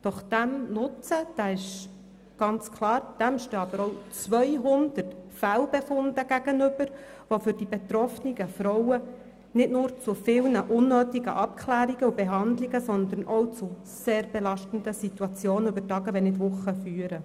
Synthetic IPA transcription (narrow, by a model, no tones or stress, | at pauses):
d̥ɔχd̥æmnʊt͡səd̥æːɪʃ | ɡ̥ɑnt͡skʰlɑːɾd̥æmʃtøːɑbəɾɔʊt͡sʋœjɦʊnd̪ətfælbefʊnd̥̪əɡ̥æɡ̥ənʏb̥əɾ | ʋofʏɾd̥ibet̪ɾɔfniɡəfɾɔwə | nɪtnʊːɾt͡sufɪlnəʔʊnːøːtiɡə̰ʔɑp̚kʰlæːɾiɡəubeɦɑnd̪liɡəsɔnd̪ənʔɔwt͡sʊ | seːrbelɑʃtənd̪əsituɑt͡sjoːnəybətɑːɡəʋɛnɪtvʊχːəfyːəɾə